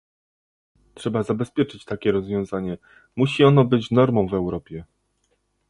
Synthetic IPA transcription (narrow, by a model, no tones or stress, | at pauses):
tʂɛbazabɛspʲjɛt͡ʂɘt͡ɕt̪akʲɛɾɔzvʲjɔ̃w̃zaɲɛ | muɕiɔnɔbɘt͡ɕnɔɾmɔ̃w̃vɛwɾɔpʲjɛ